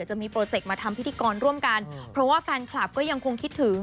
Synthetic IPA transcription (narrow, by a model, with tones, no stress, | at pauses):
t͡ɕa˨˩miː˧pɾoː˧t͡ɕe˨˩k̚maː˧t̪ʰa˧mpʰt̪ʰiː˧kɔː˧nɾu˥˩əmka˧npʰɾɔ˦˥waː˥˩fɛː˧nkʰlaː˨˩p̚kɔː˥˩ja˧ŋkʰo˧ŋkʰi˦˥t̪ʰːɯː˩˦